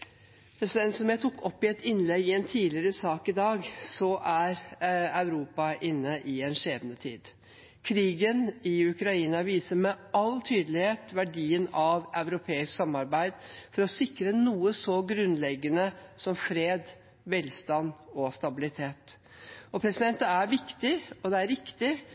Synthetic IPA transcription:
pʰɾɛsɪd̪ɛnsɔmjæɪt̪ʰʊkːɔpːɪɛt̪ɪnlɛɡɪɛnt̪ʰiːlɪəɾəsɑːkɪd̪ɑːɡsɔʔæɾɑʉɾuːpɑʔɪnːəʔɪɛnʂeːʋənət̪ʰḭːd̪ | kʰɾiːɡənɪʉkɾɑiːnɑʋiːsəmɛɑlt̪ʰyːd̪əlɪheːt̪ʋæɖiːənɑʋɑʉɾʊpʰeːɪsksɑmɑɾbæɪd̪fɔɾɔsɪkɾənuːəsɔɡɾʉnlɛɡːənəsɔmfɾeːd̪ | ʋɛlst̪ɑnɔst̪ɑbɪlɪt̪ʰeːt̪ | ɔpʰɾɛsɪd̪ɛnt̪əæɾʋɪkt̪ɪɔd̪ɛæɾɪkt̪ɪ

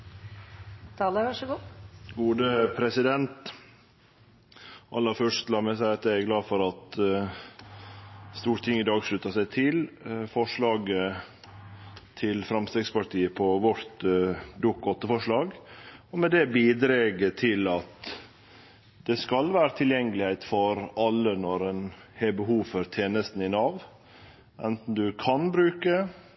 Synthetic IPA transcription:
t̪ʰɑːləʋɑʂəɡuːɡuːd̪əpʰɾɛsɪd̪ɛnt̪ | ʔɑlːəɾfœʂt̪lɑːɾmɛsæɪɑt̪̚d̪ææɡlɑːfɔɾɑt̪ | st̪uːɾʈ̪ʰɪŋɪd̪ɑːɡʂɭʉt̪əsæɪt̪ʰɪlfɔʂɭɑːɡə | t̪ʰɪlfɾɑmst̪ɛːɡspɑɾʈʰiːəpʰɔʋɔɾt̪d̪ʊkːɔt̪ːəfɔʂɭɑːɡɔmɛd̪ɛbiːd̪ɾeːɡət̪ʰɪlɑt̪ | d̪̥ɛskɑlʋæːɾət̪ʰɪljɛŋːəlɪhæɪt̪fɔɾɑlːənɔɾɛnhebəɦuːʋfɔɾt̪ʰeːnəst̪n̩ɪnɑʋ | ʔɛnt̪n̩d̪ʉkʰɑnbɾʉːkə

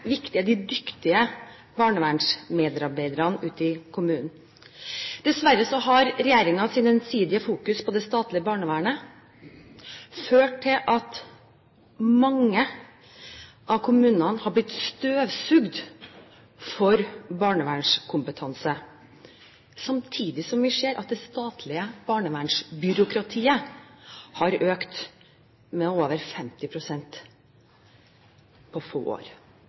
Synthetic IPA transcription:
ʋɪkt̪ɪəd̪ɪd̪ʏkt̪ɪə | bɑːɳəʋæːɳʂmeːd̪ɾɑɾbæɪd̪əɾɑnʉːt̪ɪkʰʊmʉːnn̩ | d̪̥ɛsʋæɾːəsɔɦɑɾɾɛjeːɾɪŋɑsiːnɛnsiːd̪ɪəfuːkʉspʰɔd̪ɛst̪ɑːt̪lɪəbɑːɳəʋæːɳə | føːʈʈʰɪlʔɑt̪ | mɑŋːə | ʔɑʋkʰʊmʉːnɑnhɑblɪt̪st̪øːʋsʉɡd̪ | fɔɾbɑːɳəʋæːɳʂkʰʊmpət̪ʰɑnsə | sɑmt̪ʰiːd̪ɪsɔmʋɪseːɾʔɑ̰t̪̚d̪ɛst̪ɑːt̪ʰlɪəb̥ɑːɳəʋæːɳʂbʏɾʊkɾɑt̪ʰiːə | hɑɾøːkt̪ | mɛoːʋəɾfɛmt̪ɪpʰɾʊsɛnt̪ | pʰɔfo̰ːʔo̰ːɾ

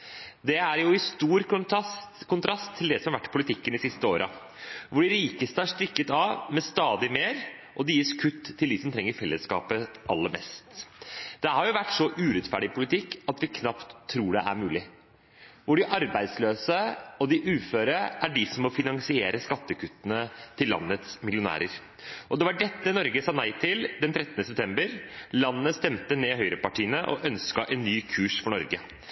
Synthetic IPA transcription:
d̪ɛæɾjʊɪst̪uːɾ | kʰʊnt̪ʰɾɑst̪ʰːɪld̪ɛsɔmɑɾʋæʈːpʰʊlɪt̪ʰɪkːənɪsɪst̪əo̰ːɾʔə̰ | ʋʊɖɪɾiːkəst̪əæʂʈɾɪkːət̪ɑʋmɛst̪ɑːd̪ɪmeːɾʔɔd̪ɪjɪskʰʉt̪ʰːɪld̪ɪsɔmt̪ʰɾɛŋːəɾfɛlːəskɑ̰ːpəʔɑ̰lːəɾmɛ̰st̪d̪̥ɛhɑɾjʊʋæʈːsɔʔʉːɾɛt̪fæɖɪpʰʊlɪt̪ʰɪkːɑt̪ʋɪkʰnɑpt̪ʰːɾuːɖɛ̰ʔæ̰ɾmʉːlɪ | ʋʊɖɪʔɑɾbæɪd̪sløːsəɔd̪ɪʔʉːføːɾəʔæɖɪsɔmːɔfɪnɑŋsɪeːɾəskɑt̪ːəkʰʉt̪ːənət̪ʰɪlːɑ̰nːət̪smɪlɪʊnæ̰ːɾəɾ | ʔɔd̪ɛʋɑɖɛt̪ːənɔɾɡəsɑːnæɪt̪ʰɪld̪ɛnt̪ʰɾɛt̪ːənəsɛp̚t̪ʰɛmbəɾlɑnːəst̪ɛmt̪əneːhœʏɾəpɑʈiːənəʔɔʔœnskɑʔɛnːyːkʰʉːʂfɔɳɔɾɡə

